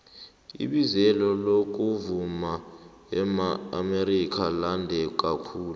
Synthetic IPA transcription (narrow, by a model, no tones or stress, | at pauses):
ḭɓizɛlɔlok̬ʼuvuma | ɛmaːmeɾik̬ʰʼalandʱɛk̬ʼakʰuːlu